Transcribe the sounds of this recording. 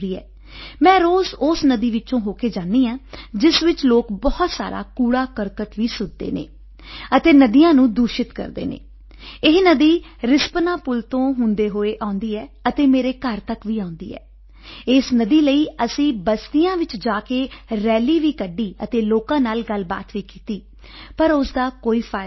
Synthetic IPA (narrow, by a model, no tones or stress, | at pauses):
ɾiːɛ̰ː | mɛ̃ːɾoːzoːsnəd̪iːʋɪt͡ʃõːɦoːkeːd͡ʒãːnd̪iːaːd͡ʒɪsʋɪt͡ʃloːkbɔht̪sa̰ːɾa̰ːkuːɽaːkəɾkəʈʋiːsʊd̪d̪ḛːnḛː | ət̪eːnəd̪ijãːnũːd̪uːʃɪt̪kə̰ɾd̪ḛːnḛː | ɪɦnəd̪iːɾɪspnãːpʊlt̪õːɦʊnd̪eːɦoːeːʔaːʊ̃nd̪iːɛː | ət̪eːmeːɾeːkəɾt̪əkʋiːãːʊ̃nd̪ḭːɛ̰ː | eːsnəd̪iːləiːəsĩːbəst̪ijãːʋɪt͡ʃd͡ʒaːkeːɾɛːliːʋiːkəɖiːət̪eːloːkãːnaːlɡəlba̰ːt̪ʋiːkiːt̪iː | pəɾʊsd̪aːkoːiːpʰaːɪ